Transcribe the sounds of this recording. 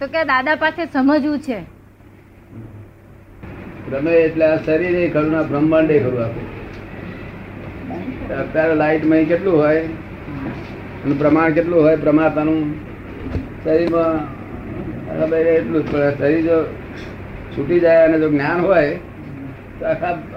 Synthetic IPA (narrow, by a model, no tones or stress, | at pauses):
t̪okjad̪ad̪apasesəməd͡ʒũt͡ʃʰe | bɾəmeːʈleasəɾiɾəikʰəɾunãbɾəmbə̃ɳɖ̪eikʰəɾũakũ | t̪ət̪ːjaɾlaiʈmãĩkeʈlũɦoj | ənũpɾəmaɳ̃keʈlũɦojpɾəmat̪anũ | səɾiɾmã | a̰kʰabəjɾeeʈlũt͡ʃpəɳsəɾiɾd͡ʒo | t͡ʃʰuʈid͡ʒajəned͡ʒoɡnjanɦoj | t̪oakʰa